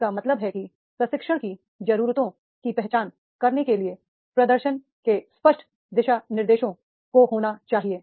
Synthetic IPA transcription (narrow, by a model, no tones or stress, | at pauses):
kamɐt̪ləbɦɛki | pɾɐʃɪkʃəɽ̃ki | d͡ʒɐɾuːɾt̪õ | kipɛɦt͡ʃaːn | kɐɾnekelie | pɾɐd̪əɾʃən | kespəʃʈʰ | d̪ɪʃanɪɾd̪eːʃõ | koɦoːnat͡ʃaːɦieː